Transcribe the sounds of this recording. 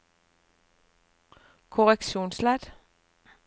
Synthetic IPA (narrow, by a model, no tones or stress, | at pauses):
kʰʊʁɛkʃuːnslæːd̪̥